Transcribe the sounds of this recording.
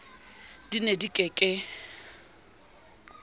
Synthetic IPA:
d̥inedikʼɛkʼɪ

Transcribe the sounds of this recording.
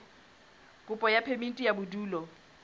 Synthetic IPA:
kʼʊpʼɔjapʰemin̩tʼijabʊduːlɔ

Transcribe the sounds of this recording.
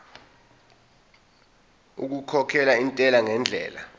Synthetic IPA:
uk̬ukʰɔkʰɛlaintʼɛlaŋɛnd͡ɮʱɛ̰ːla̰

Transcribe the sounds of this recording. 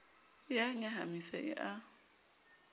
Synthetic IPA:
jaɲaɦamisaʔɪ̰ʔa

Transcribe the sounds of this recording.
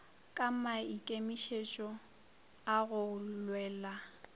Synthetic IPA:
kʼamaikʼemiʃet͡ʃʼɔ | aɣʊlwɛːla

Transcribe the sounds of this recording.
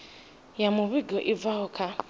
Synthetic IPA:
jamʊβiɡɔʔivaɦɔkʰa

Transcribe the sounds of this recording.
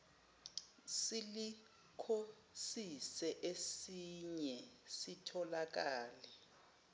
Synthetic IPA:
sili | kʰo | sisɛʔesiɲɛsitʰɔlak̬aːlɛ

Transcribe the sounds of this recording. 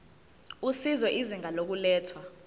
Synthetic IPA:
usizɔʔiziŋalok̬ulɛːtʰwa

